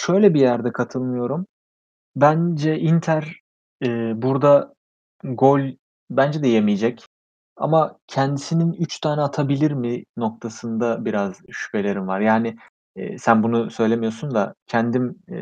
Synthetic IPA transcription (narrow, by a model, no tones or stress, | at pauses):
ʃø̞jlʲɛbijæɾd̪ɛkʰat̪ʰɯlˠmɯjo̞ɾum | bænd͡ʒɛʔint̪ʰæɾ | ɛːbuɾd̪a | ɡo̞lʲ | bænd͡ʒɛd̪ɛjemijed͡ʒɛc | a̰macʰɛnd̪isininyt͡ʃt̪ʰaːnɛːt̪ʰabilʲiɾmɪnok̚t̪ʰasɯnd̪abiɾazʃy̥pʰelʲe̞ɾimvaɾjaːnɪ̰ː | sænbunusø̞jlʲe̞mijo̞sund̪acʰɛnd̪im